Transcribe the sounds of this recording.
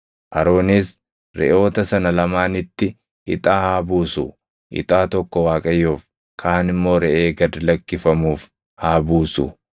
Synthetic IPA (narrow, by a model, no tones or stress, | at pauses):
ʔɐɾo̞ːniːs | ɾɛ̰ʔo̞ːt̪ɐsɐnɐlɐmaːnɪt̪ːɪ | ʔɪt̪ʼaːhaːbuːsʊ | ʔɪ̰t̪ʼaːt̪ɔkːɔwaːkʼɐjːoːf | kʰaːnɪmːo̞ːɾɛʔeːɡɐd̪lɐkːɪfɐmuːf | haːbuːsʊ̰